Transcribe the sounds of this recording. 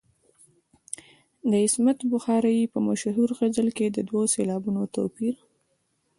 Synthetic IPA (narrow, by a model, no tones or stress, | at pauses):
d̪əɪsmat̪bʊxɑɾajipəmaʃɦuɾɣazəlked̪əd̪waselɑbunot̪o̰piɾ